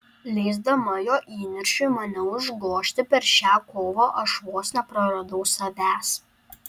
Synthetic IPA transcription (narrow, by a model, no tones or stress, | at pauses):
lʲɛɪzd̪ɐmɐjoːʔiːnʲɪɾʲʃʲʊɪmɐnʲɛʊʒɡˠoːʃʲt̪ʲɪpʲɛɾʃʲæːkoːʋoːʔɐʃʋoːsʲnʲɛpɾɐɾɐd̪ɒʊsɐʋʲæːs